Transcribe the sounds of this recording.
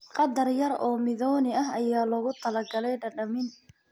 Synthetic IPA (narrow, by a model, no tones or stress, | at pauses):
qɑd̪ːɐrjɐrɔːmɪðɔːnɪɐɦɐjaːlɔːɣʊt̪ʰɐlɐɡɐlɛjɖɐɖɐmɪn